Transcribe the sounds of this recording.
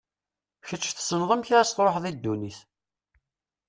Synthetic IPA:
çət͡ʃːθsənðˤəmçɾæst̪ɾˤoħðˤid̪ːuniθ

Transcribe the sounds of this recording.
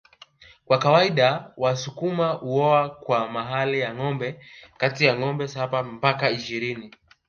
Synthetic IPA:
kwakawaiɗawasukumauɔakwamaɦalijaŋɔmbɛkatijaŋɔmbɛsapampakaiʃiɾini

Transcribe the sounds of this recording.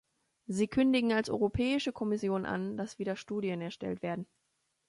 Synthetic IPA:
ziːkʰʏndɪɡŋ̩alsʔɔ̰ʏʁopʰɛːɪʃəkʰɔmɪsjoːnʔa̰nd̥asv̥iːdɐʃtuːdiənɛɐʃtɛ̰ltv̥eːɐdn̩

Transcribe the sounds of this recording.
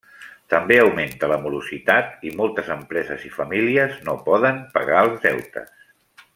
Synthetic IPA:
t̪əmbeəwment̪ələmuluzit̪at̪̚imɔlˠt̪əzəmpɾɛzəzifəmiliəznopɔðəmpə̰ɣaəlˠzðɛ̰wt̪ə̰s

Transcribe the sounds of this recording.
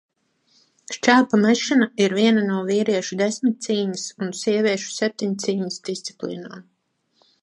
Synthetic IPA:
ʃt͡ʃæːpamɛʃinaiɾviɛnanuɔviːɾiɛʃud̪esmit̪̚t̪siːɲisunsiɛvʲiɛʃu̥sɛp̚t̪iɲt̪siːɲisd̪ist̪si̥plḭːnoːm

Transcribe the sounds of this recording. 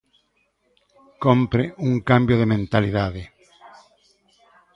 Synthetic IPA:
kompɾɪʔuŋkambjoðemẽnt̪aliðaðɪ

